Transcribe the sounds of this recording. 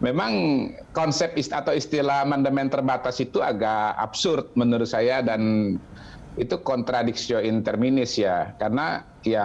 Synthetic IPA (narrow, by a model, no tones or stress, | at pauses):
memaŋ | kɔnsɛp̚isat̪awist̪ilaamandamɛnt̪ərbat̪asit̪uaɡaʔa̰bsʊrt̪̚mənuɾʊt̪sajadan | it̪ukɔnt̪ɾadiksioint̪ɛrminɪsjakarna | ja